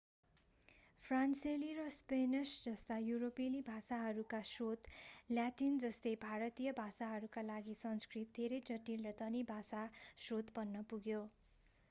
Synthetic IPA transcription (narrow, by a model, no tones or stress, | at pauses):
pʰranselirʌspenʌsd͡zʌst̪ajuɾopelibʱasaɦʌɾukasrot̪ljaʈind͡zʌst̪ʌjbʱaɾʌt̪ijʌbʱasaɦʌɾukalaɡisʌnskrit̪̚d̪ʱeɾʌjd͡zʌʈilrʌt̪ʌnibʱasasrot̪bʌnːʌpuɡjo